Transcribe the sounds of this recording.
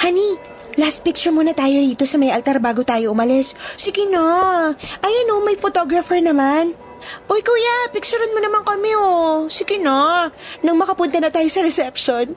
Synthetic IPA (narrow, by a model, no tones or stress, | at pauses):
hani | last̪̚pɪk̚t͡ʃʊɹmuːnɐt̪aːjo̞d̪iːt̪o̞sɐmɐjʔɐlt̪aɾbaːɡot̪aːjo̞ʔʊmɐlɛssɪɡɪnoʔɐjɐnomɐjfot̪oɡɾɐfɛɹnɐman | ʔojkuːjapɪk̚t͡ʃʊɾɐnmonɐmaŋkɐmɛosɪɡɪnonɐŋmɐkɐpʊnt̪ɐnɐt̪aːjosɐɾɛsɛpʃon